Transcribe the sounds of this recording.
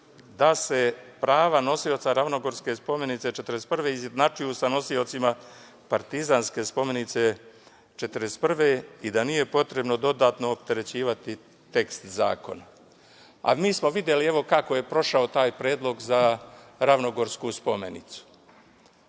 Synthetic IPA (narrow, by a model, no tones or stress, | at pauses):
d̪ase̞pɾaːʋano̞sio̞t̪saɾaʋno̞ɡo̞ɾske̞spo̞me̞nit̪se̞t͡ʃe̞t̪əɾespr̩ʋe̞izjed̪nat͡ʃujusano̞sio̞t̪sima | paɾt̪izanske̞spo̞me̞nit̪se̞ | t͡ʃet̪ɾest̪̚pr̩ʋe̞id̪anije̞po̞t̪ɾe̞bno̞d̪o̞d̪aːt̪no̞ːp̚t̪e̞ɾe̞t͡ɕiːʋat̪i | t̪e̞kst̪za̰ːko̞̰na | a̰miːsmo̞ʋid̪ʲje̞lie̞ʋo̞kako̞je̞pɾo̞ʃaot̪aːjpɾe̞ːd̪lˠo̞ɡzaɾaʋno̞ɡo̞ɾskuspo̞me̞̰nḭt̪su̥